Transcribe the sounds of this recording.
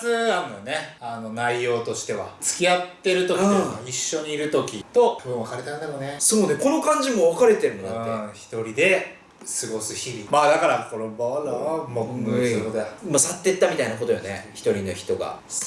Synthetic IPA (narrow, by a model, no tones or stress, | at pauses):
t͡sɨaɾɯnojoneano̞naijo̞ːt̪o̞ɕi̥t̪e̞βa̰t͡sɨ̥kʲiat̪ːe̞ɾɯ̟t̪o̞kĩaiɕːo̞ɲ̟iːɾɯ̟t̪o̞kʲit̪o̞ɯbɯ̃βakaɾet̪and̪amonesoːne̞ko̞no̞kãɲ̟d͡ʑimo̞βakaɾe̞t̪e̞ɾɯ̟mod̪aːeçi̥t̪o̞ɾʲid̪e̞ | sɨɡo̞sɨçiɾʲimaːd̪akaɾakoɾobmood̪eamasat̪ːe̞t̪ːamʲit̪ainako̞t̪o̞jo̰nḛçi̥t̪o̞ɾʲino̰çi̥t̪o̞ɡa̰